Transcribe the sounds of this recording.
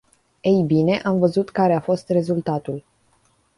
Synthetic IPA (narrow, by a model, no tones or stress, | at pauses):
ejbine̞ʔamvəzut̪kaɾe̞afo̞st̪re̞zult̪at̪ul